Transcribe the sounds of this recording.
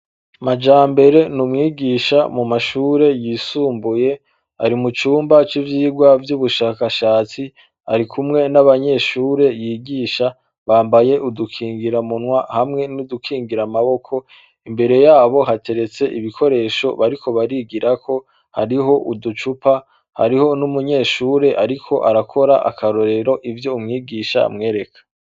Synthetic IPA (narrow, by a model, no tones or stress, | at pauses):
mad͡ʒaːmbe̞ɾe̞numŋiːɡiːʃamumaʃuːɾe̞jiːsuːmbuje̞ | a̰ɾimut͡ʃuːmbat͡ʃivjiːɡwavjuβuʃaːkaʃaːt͡si | a̰ɾikʰumŋe̞naβaɲe̞ʃuːɾe̞jiːɡiːʃa | βaːmbaje̞ʔudukʰiːŋɡiɾamunwahamŋe̞nudukʰiːŋɡiɾamaβo̞kʰo̞ | imbe̞ɾe̞jaːβo̞ɦate̞ɾe̞t͡se̞ʔiβikʰo̞ɾe̞ːʃo̞̰βaɾiko̞βaɾiːɡiɾakʰo̞ | ha̰ɾiɦo̞ʔudut͡ʃupa | ha̰ɾiho̞numuɲe̞ʃuːɾe̞ʔaɾikʰo̞ʔa̰ɾakʰo̞ɾaʔa̰kʰaɾo̞ɾe̞ɾo̞ʔivjo̞umŋiːɡiːʃa̰mŋe̞ːɾe̞kʰḁ